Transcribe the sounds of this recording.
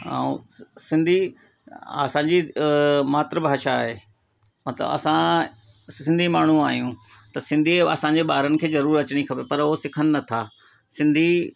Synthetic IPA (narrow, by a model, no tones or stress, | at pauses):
a̰ːṵ̃sɪ̃nd̪ʱi | ɐ̰sãɲd͡ʑimaːt̪ɾəbaːʃaːɦeː | mɐt̪lə̰bɐ̰sã | sɪ̃nd̪ʱimaːɳ̤ũaːɦijũ | t̪ɐsɪ̃nd̪ʱiɐ̰sãɲd͡ʑeɓaːɾənɪ̆kʰeːzɐɾuːɾɐt͡ɕɪɽ̃ikʰɐpepɐɾoɦosɪkʰənɪ̆nɐt̪ʰaː | sɪ̃nd̪ʱi